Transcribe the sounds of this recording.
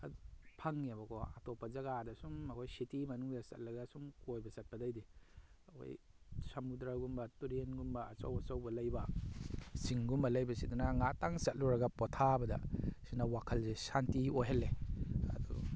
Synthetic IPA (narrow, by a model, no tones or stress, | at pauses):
adpʰɐŋːiabɐkʰɔa̰tɔpːɐzɐɡadɐsumɐkʰojsitimɐnuŋdasɐ̰t̚lɐɡasumkojbɐsɐt̚pɐdajdiɐkʰo̰j | sɐmudɾaɡumbɐtuɾenɡumbɐːsa̰wɐsawbɐlajbɐ | siŋɡumbɐlɐjbɐsidunaŋataŋsɐt̚luɾɐɡapɔtʰabɐdɐ̰sinawakʰɐlzesantioɦelːeɐ̰dɔ̰